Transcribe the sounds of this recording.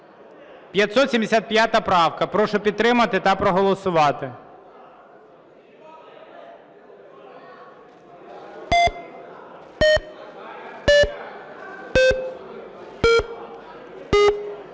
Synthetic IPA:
pʲjɐt̪sɔt̪sʲimd̪esʲat̪̚pʲjat̪ɐpɾɑwkɐpɾɔʃɔpʲid̪̚t̪ːɾɪmɐt̪ɪt̪ɐpɾɔɦɔlˠɔsʊʋɑt̪ɪ

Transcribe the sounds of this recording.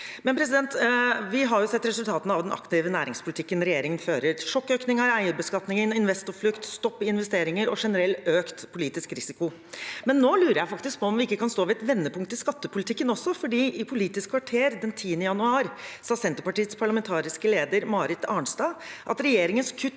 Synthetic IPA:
mɛnpɾɛs̬ɪd̪ɛnt̪ʋɪɦɑɾjʊsɛt̪ːɾɛsʉlt̪ɑːt̪n̩ɑʋd̪ɛnʔɑ̰kt̪ɪːʋənæːɾɪŋspʰʊlɪt̪ʰɪkːənɾɛjeːɾɪŋənføːɾəɾʂɔkːøːknɪŋəɾæɪəɾbəskɑt̪nɪŋənɪnʋɛst̪ʊflʏkt̪st̪ɔpːɪnʋɛst̪eːɾɪŋəɾɔʂɛnəɾɛløːkt̪pʰʊliːt̪ɪskɾɪsɪkʊ | mɛnːoːlʉːɾəɾjæɪfɑkt̪ɪsk̚pʰɔɔmʋɪɪkːəkɑnst̪oːʋɪɛt̪ʋɛnːəpʰʊŋkt̪ɪskɑt̪ːəpʰʊlɪt̪ʰɪkːənɔsːɔfɔɖiːʔɪpʰʊliːt̪ɪskʰʋɑʈʰeːɾd̪ɛnt̪ʰiːənəjɑnʉɑːɾsɑːsɛnt̪əpɑʈiːət̪spʰɑɭɑmɛnt̪ʰɑːɾɪskəleːd̪əɾmɑːɾɪt̪ʰɑːɳst̪ɑːʔɑ̰t̪ɾɛjeːɾɪŋənskʰʉt̪ː

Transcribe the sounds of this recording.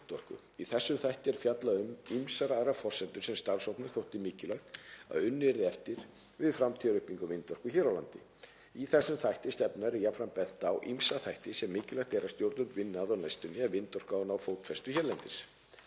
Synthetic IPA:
t̪ɔr̥kʏ̰ | iθɛsːʏmθajht̪ɪɛɾ̥fjat̪laðʏmimsaɾaðɾafɔr̥sɛnt̪ʏɾ̥sɛmst̪aɾsawpnʏ̥θowht̪ɪmiːcɪlœjxt̪a̰ðʏnːɪɾðɪɛft̪ɪɾ̥ | vɪðfɾamt̪ʰiaɾʏhpiŋkʏvɪnt̪ɔr̥kʏçɛːɾawlant̪ɪ̰ | iθɛsːʏmθajht̪ɪst̪ɛpnaɾijafɾanpɛn̥t̪awʔimsaθajht̪ɪsɛmːɪːcɪlœht̪ɛɾawst̪jowɾt̪ʏmvɪnːaðɔwnajst̪ʏnɪɛvɪnt̪ɔr̥kanawfowt̪fɛst̪ʏçɛɾlɛnt̪ɪs

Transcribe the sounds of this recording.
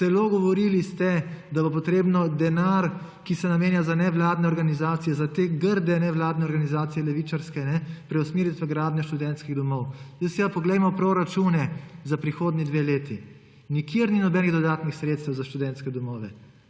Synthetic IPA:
zɛloɡɔʋɔɾilist̪ɛd̪abopɔt̪ɾeːbnɔd̪ɛnaɾ | kisɛnameːnjazanɛʋlaːd̪nɛɔɾɡanizaːt̪sijɛzat̪eːɡəɾd̪ɛnɛʋlaːd̪nɛɔɾɡanizaːt̪sijɛlɛʋit͡ʃaɾskɛnɛpɾɛusmiːɾit̪ʋəɡɾaːd̪nʲjɔʃt̪ud̪ɛnt̪skiɣd̪ɔmɔwjɛsɛapɔɡlɛjmɔpɾoɾat͡ʃuːnɛzapɾixoːd̪nid̪ʋeːleːt̪i | nikjeɾninɔbɛːniɣd̪ɔd̪aːt̪nixsɾeːt̪st̪ɛwzaʃt̪ud̪ɛnt̪skɛd̪ɔmɔːʋɛ̰

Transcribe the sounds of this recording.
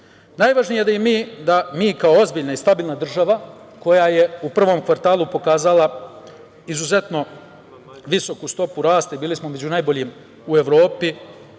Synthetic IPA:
najʋaʒnije̞d̪ajemiːd̪amiːkaoo̞zbiːʎnaist̪abiːlˠnad̪r̩ʒaʋako̞jaje̞upr̩ʋo̞ːmkʋaɾt̪aːlˠupo̞kaːzala | izuze̞t̪no̞ | ʋiso̞kust̪o̞puɾaːst̪aibiːlismo̞me̞d͡ʑunajbo̞ʎiːm | ue̞ʋɾo̞ːpi

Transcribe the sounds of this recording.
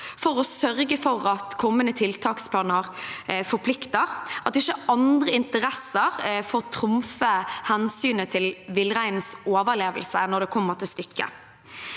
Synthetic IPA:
fɔʁɔsœʁɡəfɔʁɑt̪kʰɔmːənət̪ʰɪlt̪ʰɑːkspʰlɑːnəʁfɔpʰlɪkt̪əʁʔɑt̪ɪçəɑnd̪ʁəɪnt̪əɾɛsəʁfoːʁt̪ʰɾʊmfəhɛnsyːnət̪ʰɪlʋɪlʁæɪnn̩soːʋəʁleːʋəlsənɔd̪ɛkʰɔmːəʁt̪ʰɪlst̪ʏkːə̰

